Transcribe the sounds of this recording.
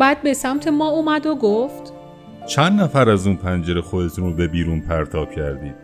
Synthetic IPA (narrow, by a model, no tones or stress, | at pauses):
bæːd̪̚be̞sæmt̪ʰe̞mɒːumæd̪oɡoft̪ | t͡ʃʰænd̪næfæɾæzuːnpʰænd͡ʒe̞ɾexod̪e̞t̪ʰuːnobe̞biːɾuːnpʰæɾt̪ʰɒːb̥̚cʰæɾd̪iːd̪̥